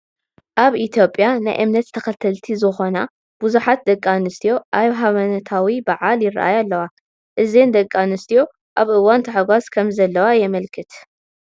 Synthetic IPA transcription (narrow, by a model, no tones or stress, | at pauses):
ʔaβʔit̪ʰjo̞pʼːjana̰jʔɨmnɐt̪t̪ʰɐkɐt̪ʰɐlt̪ʰizɨxo̞na | b̥uzuħat̪̚d̪ɐkʼːanɨst̪ʰijo̞ʔajβɦaβɐnɐt̪ʰawibaʕaljɪra̰ʔa̰jalːɐwa | ʔɨzend̪ɐkʼːanɨst̪ʰijo̞ | ʔaβʔɨwant̪ʰɐħaɡʷaskʰɐmzɐlːɐwajɛmɐlkʰɨt̪